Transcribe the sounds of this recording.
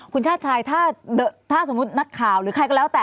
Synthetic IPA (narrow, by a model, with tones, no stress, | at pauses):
kʰu˧nt͡ɕʰaː˥˩t̪̚t͡ɕʰaː˧jt̪ʰaː˥˩dɤː˨˩t̪ʰːaː˥˩s̬o˩˦mː˦u˦˥t̪̚na˦˥kʰːaː˨˩wɾɯː˩˦kʰa˧jkɔː˥˩lɛː˦˥wt̪ɛː˨